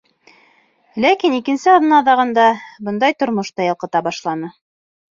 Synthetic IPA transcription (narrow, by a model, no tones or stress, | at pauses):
lækinikɘ̆nsɘɑðɤnɑðɑʁɤ̆nd̪ɑbɤ̆nd̪ɑjt̪ŏɾmŏʃt̪ɑjɤ̆lˠqɤ̆t̪ɑbɑʃlˠɑnɤ